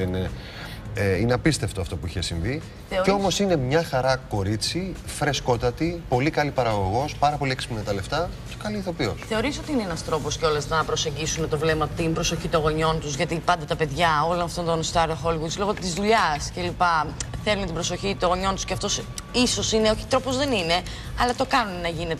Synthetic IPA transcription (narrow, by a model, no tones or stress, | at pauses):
ene | ineɐpist̪e̞ft̪oɐft̪o̞puiçesiɱvi | θeoeomo̞sine̞mɲɐxɐɾɐko̞ɾit͡sifɾe̞sko̞t̪ɐt̪ipo̞likɐlipɐɾɐɣo̞ɣo̞spɐɾɐpo̞lieksi̥plnt̪ɐle̞ft̪ɐce̥kɐliːθo̞pio̰sθe̞oɾiso̞t̪iineenɐst̪ɾo̞po̞sceo̞leznɐpɾo̞se̞ɲɟisunet̪o̞vle̞mɐpot̪imbɾo̞so̞çit̪oɣoɲo̞nt̪uzʝɐt̪ipɐnd̪ɐt̪ɐpe̞ðʝɐo̞lonɐft̪o̞nt̪o̞nst̪ɐɾoxo̞lɣud̪slo̞ɣot̪izðuʎɐsce̞lipɐθe̞lunet̪ibɾo̞so̞çit̪oɣo̞ɲo̞nt̪u̥sceɐft̪o̞s | iso̞sine̞o̞çi̥t̪ɾo̞po̞zðe̞nine̞ | ɐlɐt̪o̞kɐnunenɐʝine̞t̪e